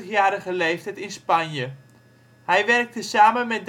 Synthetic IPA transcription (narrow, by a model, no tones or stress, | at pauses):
χjaːɾəχəlejftɛtɪnspanjə | hɛjʋɛrk̚təsaːmənmɛt̚d